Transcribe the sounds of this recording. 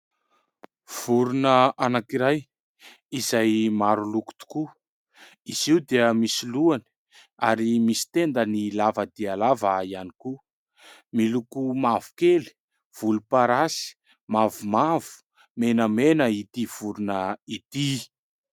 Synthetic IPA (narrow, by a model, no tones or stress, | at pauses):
v̥uɾunəanakiɾaj | izajmaɾuluku̥t̪u̥ku | iziwd̪eəmisiluani̥ | aɾimisi̥t̪end̪ənilavəd̪ialavaianiku | milukumavu̥keli̥ | v̥ulupaɾasi̥ | mavumavu̥ | menəmenəit̪iv̥uɾunəit̪i